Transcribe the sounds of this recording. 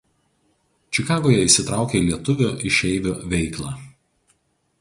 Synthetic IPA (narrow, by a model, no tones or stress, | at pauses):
t͡ʃʲɪkɑːɡoːjɛɪsʲɪt̪ɾɑˑʊkʲeilʲiɛt̪ʊʋʲʊʔɪʃʲɛɪʋʲʊʋʲɛɪklˠɑː